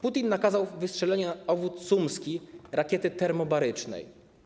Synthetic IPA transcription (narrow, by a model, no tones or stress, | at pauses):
put̪ʲinːakazawvɘstʂɛlɛɲaɔvut̪ːumskʲiɾakʲɛt̪ɘt̪ɛɾmɔbaɾɘt͡ʂnɛ̰j